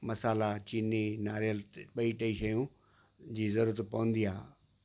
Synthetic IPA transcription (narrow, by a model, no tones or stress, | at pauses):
mɐsaːlat͡ɕiːninaːɾjəlɓɐiʈɐiʃɐjũ | d͡ʑiːzɐɾuːɾət̪pɐʋə̃nd̪iaː